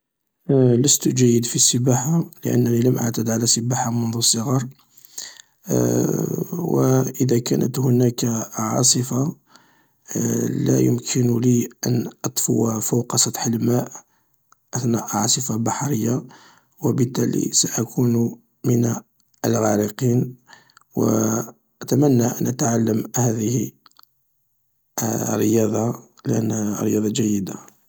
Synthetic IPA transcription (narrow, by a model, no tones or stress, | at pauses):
ləst̪ʒæjːəd̪fisːəbaħaləʔə̰nːæniləmʔə̰ʕt̪əd̪ʕalæsəbaħamʊnðˤusˤːəɣɑɾˤ | wə̰ʔəd̪ækæ̰nə̰t̪hʊnækʕɑ̰sˤəfa | læ̰jʊ̰mkʰənliʔə̰nʔɑt̪ˤfʊwafawqɑsˤɑt̪ħəlmæʔ | ʔæθnæʔʕɑsˤəfɑbɑħɾəjːa | wəbət̪ːælḭsaʔækʰunu | məna | əlɣæɾəqin | wə | ʔæt̪æmænːaʔə̰nʔət̪ʕalːəmhæðəhi | rːəjɑd̪ˤɑ | ləʔə̰nːrːəjɑd̪ˤɑʒæjːəd̪a